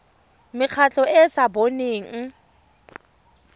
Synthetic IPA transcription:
mɪk͡xʰat͡ɬʼɔʔɪsaboneːŋ̩

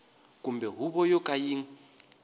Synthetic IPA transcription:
kʼumbɛɦuβɔjɔkʼajiːŋ̩

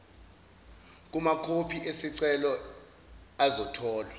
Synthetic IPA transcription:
k̬umakʰopʰiʔesiǀɛlɔ | azɔtʰɔːlwa

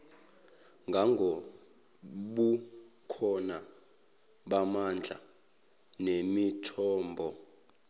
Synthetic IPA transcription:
ŋɡʱaŋɡʱo | ɓukʰɔna | ɓamand͡ɮʱa̰ | nemitʰɔːmbʱɔ

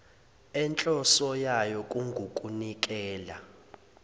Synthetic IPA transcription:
ɛnt͡ɬʼɔsɔjajɔkʼuŋɡʱukʼunik̬ʼɛːla̰

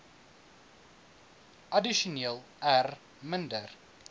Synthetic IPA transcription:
ʔɐdiʃoneːlˠ | ær | məndər

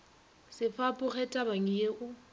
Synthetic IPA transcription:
sɪfapʼʊχɛtʼabaŋ̩jeʔʊ

